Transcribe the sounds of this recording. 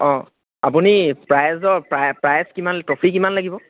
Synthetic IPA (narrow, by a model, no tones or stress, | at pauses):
ɔ̃ | apunipɹajzɔpɹajpɹajskimantɹɔpʰikimanlaɡibɔ